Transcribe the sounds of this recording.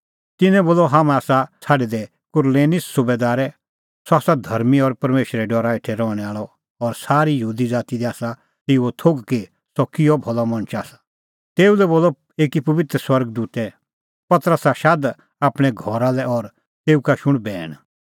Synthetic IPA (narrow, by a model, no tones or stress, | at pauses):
t̪ɪnɛ̃boːlɔɦãːmɛ̃aːsat͡sʰaːɖɛd̪ɛ | kʊɾleːnɪsːʊbeːd̪aːɾɛ | sɔaːsad̪ʱɐɾmiɔɾpɐɾmeːʃɾɛɖɔːɾaɪʈʰɛɾɔːɽ̃ɛaːɭɔ | ɔɾsaːɾijəɦuːd̪id͡zaːt̪id̪ɛaːsa | t̪eut̪ʰoɡke | sɔkɪjɔbʱɔlɔmɐ̃nt͡ʃaːsḁ | t̪eːulɛboːlɔ | eːkipɐʋɪt̪ɾəswɐɾɡd̪uːt̪ɛ | pɐt̪əɾəsaʃad̪ | aːpɽ̃ɛɡʱɔɾalɛʔɔɾ | t̪eːukaʃʊɽ̃bɛːɽ̃